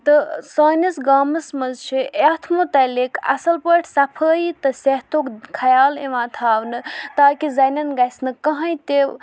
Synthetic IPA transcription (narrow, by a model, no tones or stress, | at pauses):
t̪ɨsəːnɐsɡaːmɨsmɐzt͡ʃʰiʔet̪ʰmut̪ɐlekʰɐ̰sɐlpəʈʰʲsɐpʰəːjit̪ɨseɦt̪oːkkʰɐjaːleʋãːt̪ʰaːʋnɨt̪aːkizɐnɐnɡɐjsnɨkɐɦãjt̪e